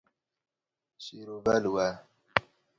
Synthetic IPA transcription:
ɕiɾovalwa

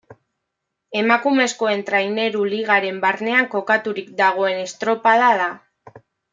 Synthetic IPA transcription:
e̞makume̞sko̞e̞nt̪ɾajne̞ɾuliɣaɾe̞mbaɾne̞aŋko̞kat̪uɾik̚d̪aɣ̞o̞e̞ne̞st̪ɾo̞paðaða

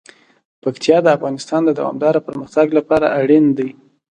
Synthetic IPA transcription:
pakt̪ʰijɑd̪əafɣɑnɪst̪ɑnd̪əd̪a̰wɑ̰md̪ɑɾapəɾməxt̪aɡlapɑɾaʔaɽind̪aj

